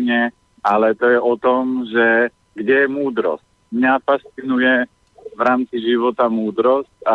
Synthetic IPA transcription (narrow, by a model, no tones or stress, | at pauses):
ɲɛ | alɛt̪ɔjɛʔɔt̪ɔmʒɛ | ɡɟɛjɛmuːd̪ɾɔ̰sc̚ | mɲafast͡sinujɛ | vɾaːmt͡siʒiʋɔt̪amuːd̪ɾɔsca